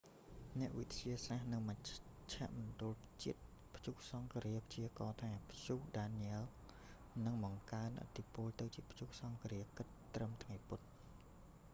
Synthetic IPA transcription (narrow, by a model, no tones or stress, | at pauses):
nɛ̆əʔʋit̪ʰiəsahnɨŋməc | t͡ɕʰɛ̆əʔmɑnt̪uəlt͡ɕiət̪̚ | pʰt͡ɕuh̚sɑŋkɾiəpʰt͡ɕiəkɑːt̪ʰaːpʰt͡ɕuːhɗaːnɛəl | nɨŋɓɑŋkaənʔə̰t̪ʰːipʊ̆əlt̪ɨwt͡ɕiəpʰjuːh̚sɑŋkɾiəkɨt̪ːrəmt̪ʰŋajput̪̚